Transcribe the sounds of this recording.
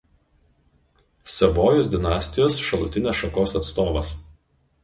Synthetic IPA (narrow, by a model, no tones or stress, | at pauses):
sʲɛʋoːjʊsʲd̪ʲɪnɑːsʲt̪ʲɪjoːsʃɐlˠʊt̪ʲɪnʲeːsʃɐkoːsɐt̪st̪oːʋɐs